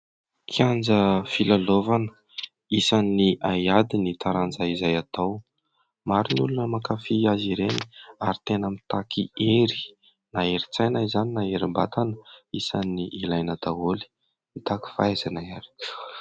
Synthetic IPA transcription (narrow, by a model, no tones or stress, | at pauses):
kʰiand͡zəfilalovanə̥ | isaniʔajad̪init̪aɾand͡zaizajat̪aw | maɾinulunəmakafiaziɾeni̥aɾit̪enamit̪akʰieɾi̥ | naeɾit͡sajnaizaninaeɾiba̰t̪anəisaniʔilajnəd̪aoli̥ | nit̪aki̥faazanajaɾi̥